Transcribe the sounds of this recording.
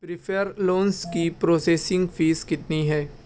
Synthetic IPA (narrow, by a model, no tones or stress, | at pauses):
pɾɪfʰəɾloːnskipɾoːseːsɪ̃ŋɡfiːzkɪt̪niɦɛː